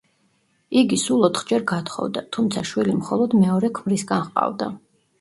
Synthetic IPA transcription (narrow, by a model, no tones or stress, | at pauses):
iɡisulˠɔt̪χd͡ʒɛɾɡat̪ʰχɔ̰vd̪at̪ʰumt̪sʰaʃwilimχɔlˠɔd̪mɛɔɾɛkʰmɾisɡanχqʼa̰vd̪a̰